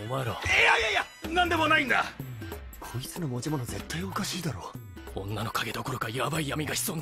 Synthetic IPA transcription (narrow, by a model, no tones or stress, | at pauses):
omaɾoeajaja | nãnd̪e̞mo̞naĩnd̪a̰ | kʰoit͡sɨnomo̞d͡ʑimo̞noze̞̰t̪ʰːaio̞kaɕiːd̪aɾo̞̰ː | õ̞nːano̞kaɡe̞d̪o̞koɾokajabaijamʲiɡaçi̥soːn